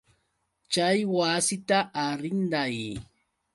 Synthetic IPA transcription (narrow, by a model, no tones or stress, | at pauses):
t͡ʃajwasɪt̪aʔːɾɪnd̪aj